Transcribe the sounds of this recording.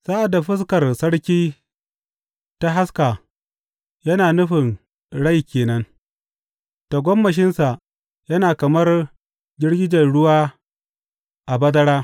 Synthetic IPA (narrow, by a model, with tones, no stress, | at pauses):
sa˦ʔa˨da˨ɸɪ˦skɐ˨rsɐ˦ɽkʲiː˦ | ta˦ɦa˦ska˨ | jɐ˦naː˨nʊ˦ɸɪ˨n | ɽa˦jkʲeː˨nɐ˦n | ta˨ɡʷɔ˦mːɐ˨ʃɪ˦nsa˨ʔ | jɐ˦naː˨kɐ˨mɐ˦r | d͡ʒʲɪ˦ɽɡʲɪ˦d͡ʒɐ˨nɽʊ˦waː˦ | ʔa˨bɐ˦dɐ˦ɽaː˦